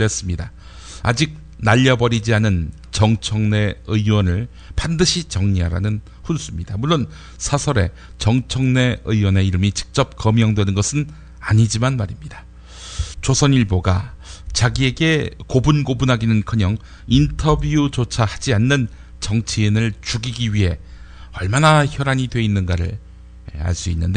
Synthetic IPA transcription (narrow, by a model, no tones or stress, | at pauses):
es͈ɯmɲida | ad͡ʑik̚ | naʎːʌbʌɾid͡ʑianɯn | t͡ɕʌŋt͡ɕʰʌŋne̞ɯiwʌnɯɭ | pandɯɕʰit͡ɕʌŋɲiɦaɾa̰nɯn | ɸuns͈ʰumɲidamuɭːon | sʰasʰʌɾe̞̰ | t͡ɕʌŋt͡ɕʰʌŋne̞ɯiwʌne̞iɾɯmit͡ɕɯ̥k̚t͡ɕ͈ʌp̚kʌmjʌŋdwe̞nɯnɡʌsʰɯn | aɲid͡ʑimanmaɾimɲida | t͡ɕosʰʌniɭboɡat͡ɕaɡie̞ɡe̞kobunɡobunɦaɡinɯnkʰʌɲʌŋ | intʰʌbuut͡ɕot͡ɕʰahad͡ʑianːɯn | t͡ɕʌŋt͡ɕʰiːnɯɭt͡ɕuɡiɡiɥiɦe̞ | ʌɭmanaçjʌɾaɲidwe̞inːɯnɡaɾɯ̰ɭ | a̰ɭs͈uinːɯnde